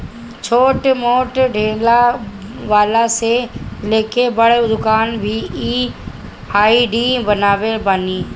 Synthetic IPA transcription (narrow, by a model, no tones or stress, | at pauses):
t͡ʃʰoːʈmoːʈɖʱeːlaʋaːlaseleːkʰebəɽed̪ʊkaːnbʱiiː | aːiɖiːbənaːʋebaːniː